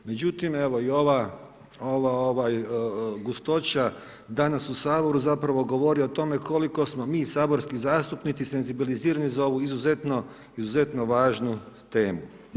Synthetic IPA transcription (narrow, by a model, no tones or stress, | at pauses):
me̞d͡ʑut̪ime̞ʋo̞io̞ʋa | oʋaoʋajɡust̪o̞t͡ɕa | d̪anasusaːbo̞ɾuzapɾaʋo̞ɡo̞ʋo̞ɾiot̪o̞me̞kʰo̞liko̞smomiːsaːbo̞ɾskizaːst̪upnit̪sise̞nzibiliziːɾanizao̞ʋuizuze̞t̪no̞ | izuze̞t̪no̞ʋaːʒnu | t̪e̞ːmu